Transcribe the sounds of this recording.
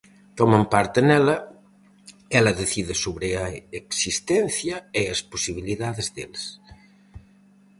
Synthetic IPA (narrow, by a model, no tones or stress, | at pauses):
t̪ɔmɐmpaɾt̪enɛlɐ | ɛlɐðeθiðesoβɾeɐeksist̪ɛn̟θjɐeːsposiβ̞iliðaðezðḛls